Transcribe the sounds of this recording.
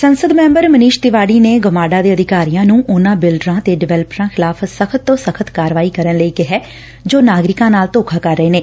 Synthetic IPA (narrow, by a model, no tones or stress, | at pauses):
sənsəd̪mɛ̃ːmbəɾməniːʃt̪ɪʋaːɽiːneːɡəmaːɖaːd̪eːəd̪ʱɪkaːɾijãːnũːʔʊnãːbɪlɖɾãːt̪eːɖɪʋɛːləpɾãːxʰɪlaːpʰsəkʰət̪ːõːsəkʰət̪kaːɾʋaːiːkəɾənləiːkɪɦɛː | d͡ʒoːnaːɡɾɪkãːnaːlt̪oːkʰaːkəɾːəeːneː